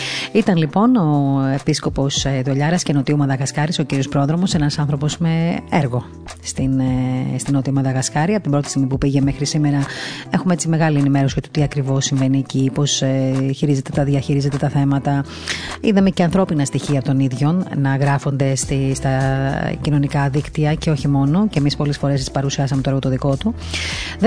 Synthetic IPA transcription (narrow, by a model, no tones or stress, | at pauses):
it̪ɐnlipo̞no̞e̞pisko̞po̞seðoʎɐɾɐsceno̞t̪iumɐðɐɣɐskɐɾiso̞ciɾio̞spɾo̞ðɾo̞mo̞se̞nɐsɐnθɾo̞po̞sme̞eɾɣo̞ | st̪inst̪inot̪iumɐðɐɣɐskɐɾiɐpot̪ibɾo̞t̪i̥simipupiʝe̞mexɾisime̞ɾɐe̞xumeet͡sime̞ɣɐlienime̞ɾo̞sit̪ot̪iɐkɾivo̞sːiɱve̞nieciːpo̞seçiɾize̞t̪e̞t̪ɐðʝɐçiɾize̞t̪e̞t̪ɐθe̞mɐt̪ɐ | iðɐmeceɐnθɾo̞pinɐst̪içiɐpot̪o̞niðʝo̞nnɐɣɾɐfo̞nd̪e̞st̪ist̪ɐcino̞nikɐðikt̪iɐce̞o̞çimo̞no̞ceemispo̞lesfo̞ɾest͡ssi̥pɐɾusiɐsɐmet̪oeɣot̪oðiko̞t̪u | ð